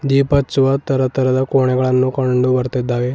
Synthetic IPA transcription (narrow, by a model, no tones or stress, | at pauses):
d̪ipət͡suʋat̪əɾət̪əɾəd̪akoɳ̃eɡəɭanːuːkəɳɖubəɾt̪ed̪aʋe